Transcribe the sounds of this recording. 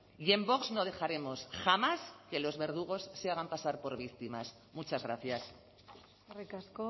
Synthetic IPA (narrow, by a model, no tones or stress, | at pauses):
ie̞mbo̞kzno̞ð̞e̞xaɾe̞mo̞sxamaske̞lo̞zβe̞ɾð̞uɣ̞o̞sːeaɣ̞ampasaɾpo̞ɾβ̞ik̚t̪imas | mut͡ʃazɣɾaθjas | rekasko